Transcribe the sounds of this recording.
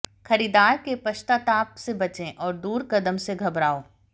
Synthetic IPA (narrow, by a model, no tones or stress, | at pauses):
xɐɾiːd̪aːɾkepɐʃt̪at̪aːpsebɐt͡ʃẽʔɔːɾd̪uːɾkɐd̪əmseɡʱɐbɾaːoː